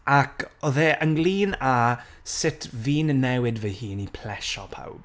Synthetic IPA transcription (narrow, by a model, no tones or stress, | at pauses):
akʰɔðɛʔəŋɡlˠiːna | sɪtʰviːnnɛwɪdvɛhiːnipʰl̥ɛʃɔ̰pʰa̰wb̥